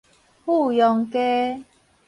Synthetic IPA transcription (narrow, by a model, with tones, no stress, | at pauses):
hu˥˧˨jɔ˨˧˦ŋke˦